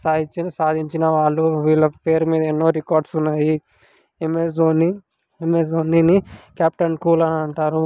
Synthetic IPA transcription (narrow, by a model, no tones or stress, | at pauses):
saːd̪ʱiɲt͡ʃinɐsaːd̪ʱiɲt͡ʃinɐʋaːɭːuʋiːɭːɐpe̞ːɾmiːd̪ɐenːo̞ːɾikaːɾɖsunːaːji | emesoːni | emesoːninikaːp̚ʈɐnkuːlɐnɐɳʈaːɾu